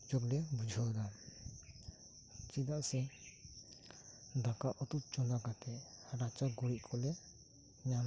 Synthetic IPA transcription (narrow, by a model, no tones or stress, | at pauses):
d͡ʒɔblɛbud͡ʒʱɔd̪a | t͡ʃid̪aʔsɛ | d̪akaʔɔt̪up̚t͡ʃɔnd̪akat̪ɛɾat͡ʃaɡɔɾiʔ̚kʰɔlɛ | ɲam